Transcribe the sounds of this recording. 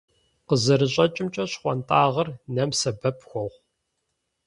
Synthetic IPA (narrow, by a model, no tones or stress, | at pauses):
qəzɐɾɨɕʼɐt͡ʃʼɪmt͡ʃʼɐɕχʷɔntʼaːʁɐrnɐmsɐbɐpʰxʷɔʁʷ